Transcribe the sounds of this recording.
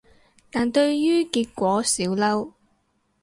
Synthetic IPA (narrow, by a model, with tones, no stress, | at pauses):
t̪aː˨˩nt̪ɵ˧ɥjyː˥kiː˧t̚kʷɔː˨˥siː˨˥wlɐ˥w